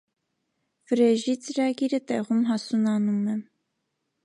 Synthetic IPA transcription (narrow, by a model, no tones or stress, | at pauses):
vəɾɛʒit͡səɾɑɡiɾət̪ɛʁumɦɑsunɑnumɛ